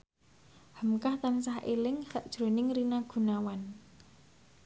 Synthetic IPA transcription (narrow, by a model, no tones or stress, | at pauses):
hə̤mkaht̪ansahelɪŋsaʔd̥ʒ̥ɾo̤nɪŋɾinaɡ̥ṳnawan